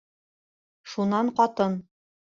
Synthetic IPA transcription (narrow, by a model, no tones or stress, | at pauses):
ʃunɑɴqɒt̪ɤn